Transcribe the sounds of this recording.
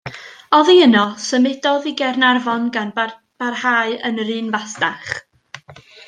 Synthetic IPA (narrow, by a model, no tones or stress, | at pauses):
ɔðiənɔsəmɪdɔðiɡɛrnarvɔnɡan | b̥arhaːɨənrɨːnvasdaχ